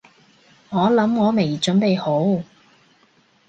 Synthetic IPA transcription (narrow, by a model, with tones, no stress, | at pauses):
ŋɔː˨˥lɐ˨˥mŋɔː˨˧me˨˩jt͡ʃɵ˨˧˥npe˨jho˨˥w